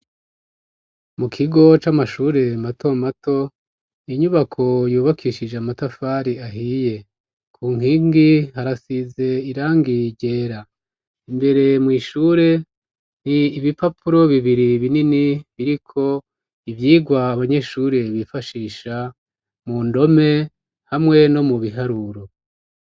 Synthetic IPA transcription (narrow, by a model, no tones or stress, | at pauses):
mukʰiɡo̞t͡ʃamaʃuːɾe̞matʰo̞mato̞ | iɲuβakʰo̞juːβakʰiːʃid͡ʒeamatafaɾiaɦije̞ | kʰuːŋ̥iŋɡihaɾasize̞iɾaːŋɡiɟe̞ːɾa | imbe̞ɾe̞mwiːʃuːɾe̞ | n̥iːβipapuɾo̞βiβiɾiβininiβiɾikʰo̞ | ivjiːɡwaːβaɲe̞ʃuːɾe̞βifaʃiːʃa | mundo̞me̞ | hamŋe̞no̞muβiɦaɾuɾo̞